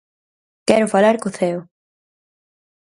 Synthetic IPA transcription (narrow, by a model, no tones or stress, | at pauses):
kɛɾʊfalaɾkʊθɛw